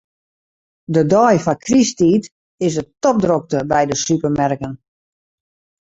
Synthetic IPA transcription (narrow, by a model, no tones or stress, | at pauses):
dədɔjfɔkʰristiːt | ɪsətɔp̚drok̚təbɛjdəsypərmɛrkən